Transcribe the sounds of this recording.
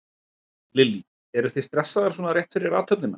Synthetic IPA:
lɪlːi | ɛɾʏθejst̪ɾɛsːaðaɾ̥sɔnaɾjɛht̪fɪɾɪɾaːt̪ʰœpnɪna

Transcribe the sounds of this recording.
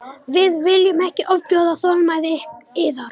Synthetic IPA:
vɪðvɪljʏmɛhcɪʔɔvpjɔːðaθɔːlmajðɪhkɪðaɾ

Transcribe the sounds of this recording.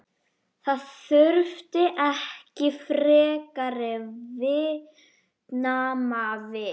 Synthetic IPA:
θaðθʏɾft̪ɪʔɛhcɪfɾɛːkaɾɪvɪ | tnaːmavɪ

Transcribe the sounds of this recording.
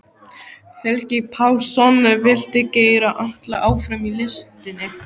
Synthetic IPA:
hɛlcɪpʰawsɔnʏvɪl̥t̪ɪceːjɾaʔaht̪laʔaːwfɾamilɪst̪ɪnːɪ

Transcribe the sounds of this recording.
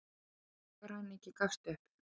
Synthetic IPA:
vaɾ̥hanːehcɪkafst̪ʏhp

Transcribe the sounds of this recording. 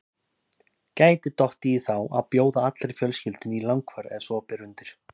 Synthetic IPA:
caːjt̪ɪt̪ɔht̪iːθawʔaðpjoːwðaat̪lɾeɾfjœlscʏlt̪ɪnilawŋkvɛɾɛ̰ðsɔːpɛɾʏnt̪ɪɾ̥

